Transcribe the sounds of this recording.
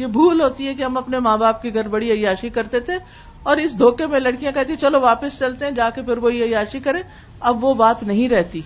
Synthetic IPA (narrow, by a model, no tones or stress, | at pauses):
jebʱuːlɦoːt̪iɦɛkiɦɐmɐpnemãːbaːp̚kiɡʱɐɾbɐɽiɐjaːʃikɐɾt̪et̪ʰe | ɔːɾɪsd̪ʱoːkemẽlɐɽkijãkɛɦt̪iɛt͡ʃɐloʋaːpɪst͡ʃɐlt̪eɦɛ̃d͡ʒaːkefɪɾʋoiɐjaːʃikɐɾẽː | ɐbʋobaːt̪nɐɦĩɾɛɦt̪iː